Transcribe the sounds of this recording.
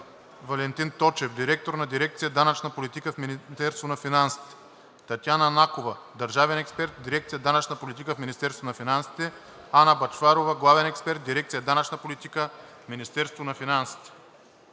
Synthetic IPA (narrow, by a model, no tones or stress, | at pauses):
vɐlɛnt̪int̪ɔt͡ʃɛfd̪iɾɛk̚t̪oɾnɐd̪iɾɛk̚t̪sijəd̪anət͡ʃnɐpolit̪ikəfmint̪ɛɾst̪vonɐfinansi̥t̪ɛ̥ | t̪ɐt̪janɐnakovɐ | d̪ɐɾʒavɛnɛkspɛɾt̪̚d̪iɾɛkt̪sijəd̪anɐt͡ʃnɐpolit̪ikəfminist̪ɛɾst̪vonɐfinansi̥t̪ɛ | anəbɐt͡ʃfaɾovɐɡlˠavɛnɛkspɛɾt̪̚d̪iɾɛkt̪ijəd̪anɐt͡ʃnɐpolit̪ikəfminist̪ɛɾst̪vonɐfinansi̥t̪ɛ̥